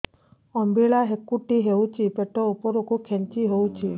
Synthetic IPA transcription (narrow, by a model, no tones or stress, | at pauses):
ɔmbiɭaɦekːuʈiɦeũt͡ʃʰipeʈɔupɔɾokukʰɛnt͡ʃiɦowt͡ʃʰi